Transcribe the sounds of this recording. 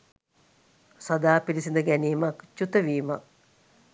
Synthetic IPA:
sad̪aːpilisind̪əɡæniːmakt͡ʃut̪əʋiːma̰k̚

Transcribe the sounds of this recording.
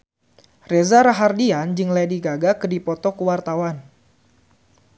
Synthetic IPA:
rezaɾaɦardiand͡ʒɨŋlɛdiɡaɡakədipɔt̪ɔkəwart̪awan

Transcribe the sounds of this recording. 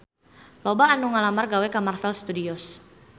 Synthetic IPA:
lobaːnuŋalamarɡawɛkamarfɛlst̪udiɔs

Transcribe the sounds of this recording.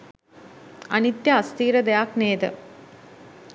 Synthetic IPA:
ɐ̰nit̪jɐːst̪iːɾɐd̪ɐjaːkneːd̪ɐ̰

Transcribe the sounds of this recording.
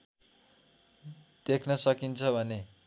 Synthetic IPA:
d̪̥ekʰnʌsʌkint͡sʰʌbʱʌne

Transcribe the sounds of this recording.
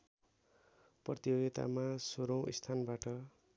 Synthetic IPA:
prʌt̪ijoɡet̪a̰masoɾʌw̃ist̪ʰanbaʈʌ

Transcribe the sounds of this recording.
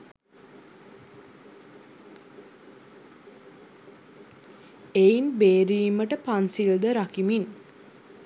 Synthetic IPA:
einbeːɾiːməʈəpansild̪əɾakimin

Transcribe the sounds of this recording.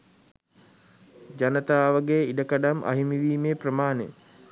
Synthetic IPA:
d͡ʒanət̪aːʋəɡejidəkaɖamʔa̰ɦimiʋiːmeːprəmaːnḛ

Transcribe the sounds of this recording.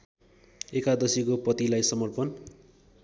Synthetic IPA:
ekad̪ʌsikopʌt̪ilajsʌmʌrpʌn

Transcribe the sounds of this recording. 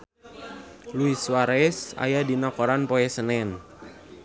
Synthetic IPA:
luiswaɾɛsa̰jadinakoɾanpoɛsənɛn

